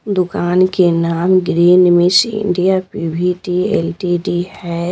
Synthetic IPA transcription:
d̪ʊkaːnkenaːmɡɾiːnmɪsɪ̰ɳɖijapibʱiʈielʈiɖihɛː

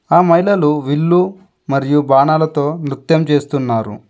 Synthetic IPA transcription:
aːmɐɦilɐluʋilːu | mɐɾijubaːnaːlɐt̪o̞ːnɾut̪jɐmt͡ʃe̞ːst̪unːaːɾṵ

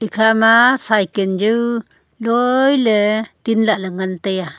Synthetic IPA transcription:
ikʰamasajkənd͡ʒuw | lojlət̪inlaʔləŋənt̪eja

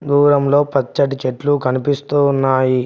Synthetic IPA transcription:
d̪uːɾɐmlo̞ːpɐt͡ʃːɐʈ̬it͡ʃeʈlukɐnipist̪uːnːaːji

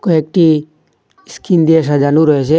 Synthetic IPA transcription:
koek̚ʈi | skind̪ies̬ad͡ʒanuɾɔet͡ʃʰe

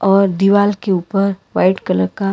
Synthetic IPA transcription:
ɔːɾd̪iʋaːlkeuːpəɾʋa̰ɪʈkələɾka

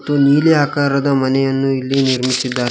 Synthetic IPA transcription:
t̪oniːleakaɾəd̪amənejanːuilːeniɾmisid̪a

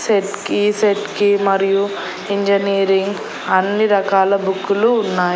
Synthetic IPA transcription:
seʈkiːseʈkimɐɾiju | iɲd͡ʒɐniːɾiŋɡ | ɐnːiɾɐkaːlɐbukːuluːnːaːj

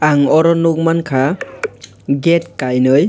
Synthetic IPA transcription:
aŋɔɾɔnok̚mankʰa | ɡet̚kajnɯj

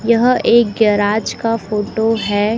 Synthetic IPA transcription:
jɐɦeːk̚ɡɛɾaːd͡ʒkafoːʈoɦɛː

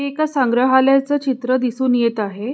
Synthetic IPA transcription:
eekasaŋɡɾəɦaljat͡sət͡ɕit̪ɾəd̪isuːnjet̪aɦe

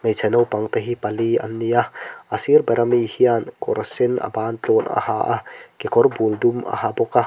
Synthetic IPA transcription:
mejt͡sʰɛnɔwpɐŋt̪ɐɦipɐliɐ̰nːijaʔɐsiɾbɐɾʔɐmihiankɔɾsɪnɐ̰baːnt͡ɬɔnɐ̰ha̰ʔakekɔrbuld̪umɐ̰habɔka

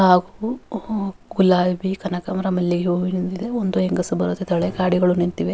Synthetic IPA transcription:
haːɡu | ɡulaːbikɐnɐkɐmɐɾɐmɐlːiɡeɦoːɡinind̪id̪eond̪ueŋɡɐsubɐɾut̪et̪ɐɭekaːɽiɡɐɭunint̪iʋe

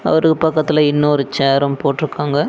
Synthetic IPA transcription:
ɐ̰ʋɐɾɯkːɯpɐkːɐt̪ːɪlɐɪnːɐɔɾɯt͡ʃeːɾɐmpoːʈːɪɾɯkːaːŋɡɐ

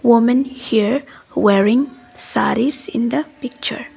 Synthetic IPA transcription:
wʊmə̃nhiɹ | wɛɹɪ̃ŋ | sa̰ɾizɪ̰̃nd̪əpɪk̚t͡ʃə̰ɹ

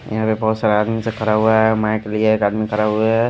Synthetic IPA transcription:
jɐɦãpebɔɦut̪saːɾaːd̪mĩsekɐɾaɦuaɦɛmãjkelieɦkaːɽmẽkəɾaɦueɦɛ

